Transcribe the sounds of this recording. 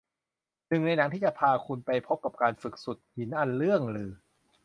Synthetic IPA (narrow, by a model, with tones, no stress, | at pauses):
nɯ˨˩ŋna˧jna˩˦ŋt̪ʰiː˥˩t͡ɕa˨˩pʰaː˧kʰu˧npa˧jpʰo˦˥p̚ka˨˩p̚kaː˧nfɯ˨˩k̚su˨˩t̪̚hi˩˦nʔa˧nɾɯ˥˩əŋɾɯː˧